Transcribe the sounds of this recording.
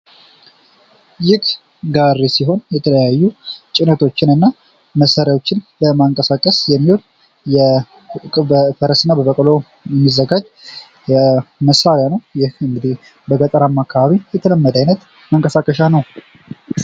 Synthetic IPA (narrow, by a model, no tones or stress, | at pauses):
jɪk | ɡaɾːesiɦo̞njɛt̪ʰələjajːut͡ʃʼɪnət̪ʰo̞t͡ʃːɪnɨnːa | məsaɾjawo̞t͡ʃːɪnləmaŋkʼəsakʼːəsjɛmːiwol | jɛ | bəfəɾəsɨnːabəβəkʼəlo̞ | jɛmːizːəɡad͡ʒ | jɛməsaɾjanəwjɪhɨŋɡɨd̪i | bəɡət̪ʼəɾamːakʰːaβaβijɛt̪ʰələmːəd̪ajnət̪ | məŋkʼəsakʼəʃanəw